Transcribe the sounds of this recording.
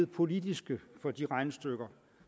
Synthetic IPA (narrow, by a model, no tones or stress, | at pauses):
ð̩ˠpʰo̝lidisɡ̥əfɒ̽d̥iʁɑ̈ɪnəsd̥øɡ̥ɐ